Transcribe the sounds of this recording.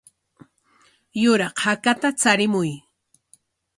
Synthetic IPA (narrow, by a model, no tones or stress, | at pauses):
jʊɾɑqhakat̪at͡saɾɪmʊj